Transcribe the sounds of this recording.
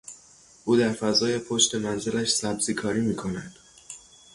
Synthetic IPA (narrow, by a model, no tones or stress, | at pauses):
ʔuːd̪æɾfæzɒːje̞pʰo̞ʃt̪e̞mænzelæʃsæbz̥iːkʰɒːɾiːmiːkʰonæd̪̥